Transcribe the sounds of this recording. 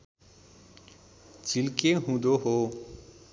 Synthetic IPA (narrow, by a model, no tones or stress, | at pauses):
t͡ʃɪlkẽɦũːd̪oːɦoː